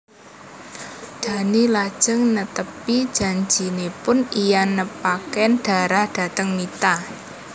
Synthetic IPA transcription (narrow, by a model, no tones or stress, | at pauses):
d̪̥ä̤nilad̥ʒ̥əŋnət̪əpid̥ʒ̥ä̤ɲd͡ʒinepʊnijanːəpakɛnɖ̥a̤ɾahd̥ä̤t̪əŋmit̪a